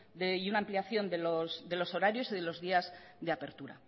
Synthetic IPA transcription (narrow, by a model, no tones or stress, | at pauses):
d̪eiunaːmpliaθjo̞nd̪e̞losd̪e̞lo̞so̞ɾaɾjo̞siðe̞lo̞zðiaz | ðeape̞ɾt̪uɾa̰